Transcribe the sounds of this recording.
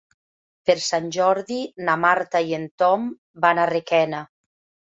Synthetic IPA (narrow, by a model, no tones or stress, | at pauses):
peɾsanʲʒɔɾðinamaɾt̪aient̪ɔm | banarekɛna